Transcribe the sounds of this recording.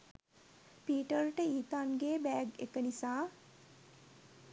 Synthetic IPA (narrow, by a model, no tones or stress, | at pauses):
piːʈəɾʈəiːt̪anɡeːbɛɡḛkənisaː